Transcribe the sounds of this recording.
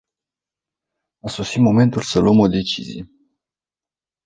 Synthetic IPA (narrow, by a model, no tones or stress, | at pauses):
aso̞simo̞me̞nt̪ulsəluəmo̞d̪e̞t͡ʃizḭje